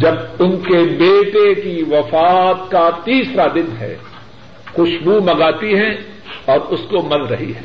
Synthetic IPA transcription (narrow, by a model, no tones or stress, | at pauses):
d͡ʒɐbʊnkebeːʈekiʋɐfaːt̪kat̪iːsɾad̪ɪnɦɛ̰ː | xʊʃbumɐɡaːt̪iɦɛ̃ | ɔːɾʊskomɐlɾɐɦiɦɛː